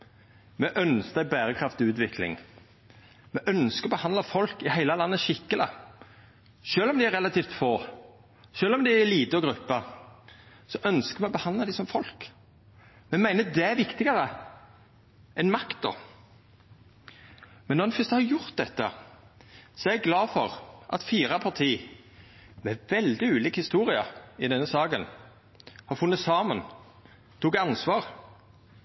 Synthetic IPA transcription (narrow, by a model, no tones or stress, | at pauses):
mɛʔœnskd̪æɪbæːɾəkʰʁɑft̪ɪʉːt̪ʋɪkʰlɪ̰ŋ | mɛʔœnskəɔbəhɑnd̪lɑfɔlkɪhæɪləlɑnːəʃɪkːələ | ʃøːlɔmd̪ɪæɾʁɛlɑt̪iːft̪foː | ʃøːlɔmd̪ɪæliːt̪əɔɡɾʉpːə | sɔʔœnskəmɛɔbəhɑnd̪lɑd̪ɪsɔmfɔlk | mɛmæɪnəd̪ɛæʋɪkt̪ɪɡɑʁə | ʔɛnmɑkt̪̚d̪ɔ̰ | mɛnːɔʁnɛfʏst̪əhɑɾjʊɾt̪̚d̪ɛt̪ːə | sɔɛɛɛɡlɑːfɔʁʔɑ̰t̪fiːʁɑpʰɑt̪ʰiː | mɛʋɛld̪ɪʉːliːkhɪst̪uːɾɪɑɪd̪ɛnːəsɑːɡən | hɑɾfʉnːəsɑːmən | t̪ʰuːkɑnsʋɑːʁ